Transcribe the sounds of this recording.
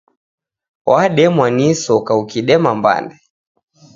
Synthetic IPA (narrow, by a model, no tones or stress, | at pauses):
waɗɛmwanisɔkaukiɗɛmamba̰ndɛ